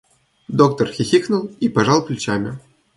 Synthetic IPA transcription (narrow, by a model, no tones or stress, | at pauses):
d̪ok̚t̪ɔrxʲixʲiknulˠipaʐɑlˠplʲut͡ɕamʲɪ